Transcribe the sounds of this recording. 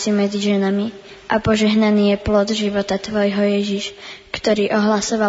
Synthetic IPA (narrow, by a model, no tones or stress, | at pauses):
simɛd͡ziʒɛnamiʔapɔʒɛɦnaniːjɛplɔd̪ʒiʋɔt̪at̪ʋɔjɦɔjɛʒiʃkt̪ɔɾiːʔɔɦlasɔʋa